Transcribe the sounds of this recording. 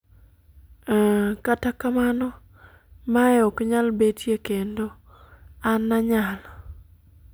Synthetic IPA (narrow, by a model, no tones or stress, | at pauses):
katakamanɔ | maɛɔkɲalbetjekendo | anːaɲal